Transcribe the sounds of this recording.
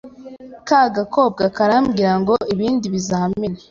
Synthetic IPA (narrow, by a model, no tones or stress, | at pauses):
kaɡakoːb̚ɡakaɾaːmɡiɾaŋɡo̞iβiːndiβizameɾe